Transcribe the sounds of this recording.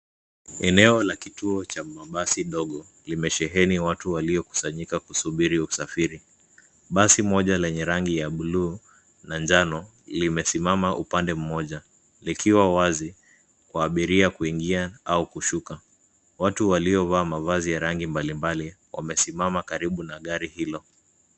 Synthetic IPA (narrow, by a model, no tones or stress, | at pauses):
ɛnɛɔlakituɔt͡ʃamaɓasiɗɔɠɔ | limɛʃɛɦɛniwatuwaliɔku̥saɲikakusuɓiɾiusafiɾi | ɓasimɔʄalɛɲɛɾaŋɡijaɓuluː | nand͡ʒanɔ | limɛsimamaʔupandɛm̩mɔʄa | likiwawazi | kwaːɓiɾiakuiŋɡiaaukuʃuka | watuwaliɔvaːmavazijaɾaŋɡimbalimbali | wa̰mɛsimamakaɾiɓunaɠaɾihilɔ